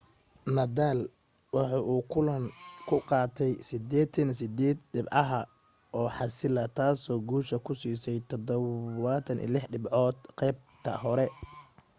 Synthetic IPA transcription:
nɐd̪aːl | wɑħɑːʔuːkʰʊlɐŋkʰʊqɑːt̪ʰɛjsɪd̪ɛːt̪ʰɐnsɪd̪ɛːd̪̚ɖɪbʕɑɦɐ | ʔɔːħɑsɪlɐt̪ʰaːsɔːɡuːʃɐkʰʊsiːsɛjt̪ʰɔd̪ɔat̪ʰɐnʔḭːlɪħɖɪbʕɔːd̪qɛːb̚t̪ʰɐ̰hɔɾɛ

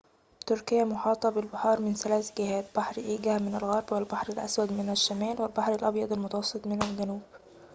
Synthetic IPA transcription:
t̪ʊɾkɪjːæmʊħɑːt̪ˤɑbɪlbɑħɑːɾˤmɪnθælæːθɡɪhæːt̪̚b̥ɑħɾʔiːɡæhmɪnɪlɣɑɾˤbwɪlbɑħɾɪlʔæswæd̪mɪnɪʃːæmæːlwɪlbɑħɾɪlʔɑbjɑd̪ˤɑlmʊt̪ɑwɑsˤːɨt̪ˤmɪnælɡænuːb̥

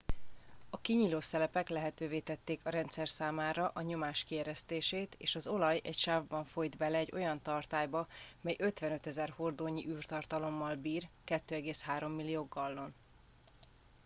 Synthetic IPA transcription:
ɒkiɲiːloːsɛlɛpɛklɛɦɛt̪øːveːt̪ɛt̪ːeːkʰɒɾɛnt̪sɛrsaːmaːɾɒʔɒɲo̞maːʃkiɛɾɛst̪eːʃeːt̪ḛːʃɒzo̞lɒjɛ̰cʃaːvbɒɱfo̞jd̪bɛlɛːɟo̞jɒnt̪ɒrt̪aːjbɒmɛjʔø̞t̪ʋɛnøt̪ɛzɛrhord̪oːɲiʔyːrt̪ɒrt̪ɒlo̞mːɒlbiːrkɛt̪ːøːɛɡeːshaːɾo̞mːilːijoːɡɒlːo̞n

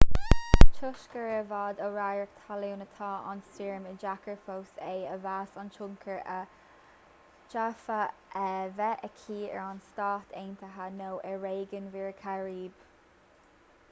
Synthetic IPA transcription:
t͡ʃʰʊʃkəɹəvaːd̪əɹajɹəkt̪ʰaluwnət̪ʰɑːʔa̰nsiɹməd͡ʒakəɹfowseːəvaːsɔnt͡ʃʊŋkʰəɹə | t͡ʃafəʔɛvɛʔəkʰiːɛ̰ɹanstaːt̪ʰeːnt̪ʰəɦanowʔɛɹeːɡənviːɹkʰaɹiːb̥

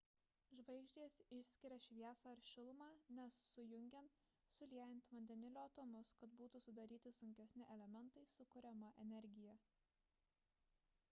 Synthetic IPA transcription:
ʒʋɐɪɡʒʲd̪ʲiːsɪʃʲsʲkʲɪɾʲɛʃʲʋʲiɛːsɑɐɾʃʲɪlˠmɑːnʲɛsːʊjʊŋʲɡʲɛn | sʊlʲiɛjɛnʲˑt̪ʋɐnʲd̪ʲɛnʲɪlʲoːɐt̪oːmʊskɐt̪buːt̪usʊd̪ɐɾʲiːt̪ʲɪsʊŋʲkʲɛsʲnʲɪʔɛlʲɛmʲɛnˑt̪ɐɪsʊkʊɾʲɛmɐʔɛnʲɛɾʲɡʲɪjɛ

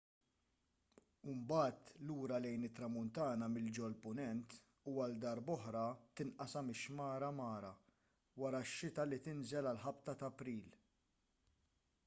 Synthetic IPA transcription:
umbɐːt̪luːɾɐlɛjnɪt̪ːɾɐmʊnt̪ɐːnɐmɪld͡ʒɔlpʊnɛnt̪ | uːɐld̪ɐɾbɔħɾɐt̪ɪnʔɐsɐmɪʃmɐːɾɐmɐːɾɐ | wɐɾɐʃːɪt̪ɐlit̪ɪnzɛlɐlħɐpt̪ɐt̪ɐpɾiːl

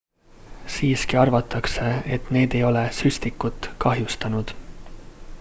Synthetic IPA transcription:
siːskiɑrvɑt̪ˑːɑkse̞et̪ne̞ːd̪̥e̞jo̞le̞sysʲt̪ikːˑut̪ːˑkɑɦjust̪ɑnud̪̥

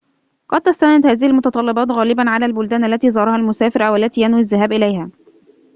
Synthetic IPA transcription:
qɑd̪̚t̪ast̪anɪd̪hæːðɪhialmʊt̪ɑt̪ˤɑlːɪbɑːt̪ɣæːlɪbanʕalæːlbʊld̪æːnʔalːæt̪iːzˤɑːɾˤɑhælmʊsæːfɪɾawalːæt̪iːjanwiazːaɦæːbʔɪlæjhæː

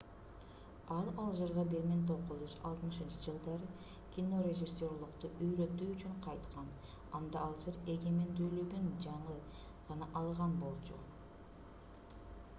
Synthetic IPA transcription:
ɑlˠɑlˠd͡ʒɯɾʁɑbeɾment̪ʰoquzyzɑ̰lˠt̪mɯʃɯnt͡ʃɯd͡ʒɯlˠd̪ɑɾɯ | kʲino̞rʲeʒisʲːo̞rlˠuqt̪uʔyjɾø̞t̪ːyːt͡ʃyɴqʰɑjt̪qʰɑn | ɑnd̪ɑɑlˠd͡ʒɯɾe̞ɡe̞me̞nd̪yːløɡønd͡ʒɑɴɯ | ʁɑnɑʔɑlˠʁɑnbo̞lˠt͡ʃʰṵ

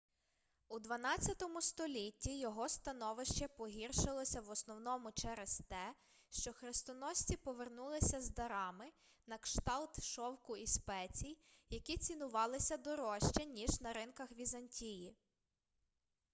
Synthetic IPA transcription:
ud̪ʋɐnɑt͡sʲɐt̪ɔmʊst̪ɔlʲitʲːijɔɦɔst̪ɐnɔʋɪʃt͡ʃɛpɔɦʲirʃɪlˠɔsʲɐʋɔsnɔwnɔmʊt͡ʃɛɾest̪ɛ | ʃt͡ʃɔxɾest̪ɔnɔsʲt͡sʲipɔʋernulˠɪsʲɐzd̪ɐɾɑmɪ | nɐkʃt̪ɑlˠt̪ʃɔwkʊispɛt͡sʲijjɐkʲit͡sʲinʊʋɑlˠɪsʲɐd̪ɔɾɔʃt͡ʃɛnʲiʒnɐɾɪnkɐxʋʲizɐnʲtʲiji

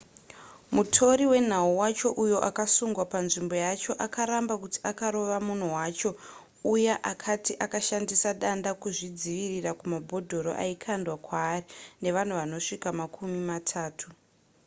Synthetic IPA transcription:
mutʰo̞ɾiwe̞n̤auwat͡ʃo̞ʔujo̞ʔakasuŋɡwapanʐimbo̞jat͡ʃo̞ʔakaɾambakutiakaɾo̞ʋamun̤uwaːt͡ʃo̞ | ujeʔakʰatiʔakaʃandisaɗandakuʐid͡ziʋirirakumabʱo̞dʱo̞ɾo̰ʔa̰ikʰandwakwaːrine̞ʋan̤uʋano̞ʂikamakʰumimatʰaːtʰu

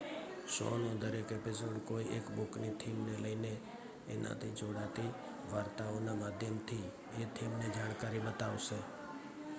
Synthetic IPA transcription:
ʃo̰nõd̪əɾekepis̬oɖkoiekbuknit̪ʰimneləine | enʔa̰t̪ʰid͡ʒoɽat̪i | ʋaɾt̪aonamad̪ʱjəmt̪ʰi | et̪ʰimned͡ʒañkaɾibət̪aʋʃe

